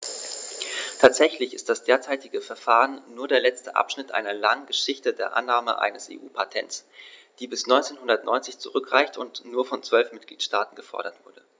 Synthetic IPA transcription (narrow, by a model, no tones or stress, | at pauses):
tʰaːtz̥ɛçlɪçɪst̚d̥asd̥eːɐt͡saɪtɪɡəfɛɐfaːʁənːuːɐdeːɐlɛt͡stəʔa̰pʃnɪtʔa̰ɪnɐlaŋənɡəʃɪçtədeːɐʔa̰nːaːmə̰ʔa̰ɪnəsʔḛːʔuːpʰatʰɛ̰ntsd̥iːbɪsnɔʏnt͡seːnhʊndɐtnɔ̰ʏnt͡sɪçt͡suʁʏkʁ̥aɪçtʊntnuːɐfɔnt͡sv̥œlfmɪt̚ɡ̥liːtʃtaːtn̩ɡəfɔ̰ɐɾɐtv̥ʊɐdə